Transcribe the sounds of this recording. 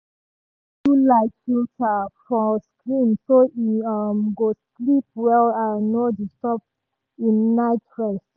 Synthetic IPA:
tulaɪtfiltʰafɹɔ̃skɹĩmsoiɔmɡos | lip̚wɛlanodustɔp̚ | ĩnːaɪtɹɛst

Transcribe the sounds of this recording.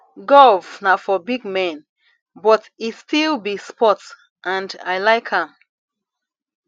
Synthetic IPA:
ɡɔlvnafɔbiɡ̚mɛ̃n | bɔtistilbispɔt | ʔãnda̰jlaɪkʰhãm

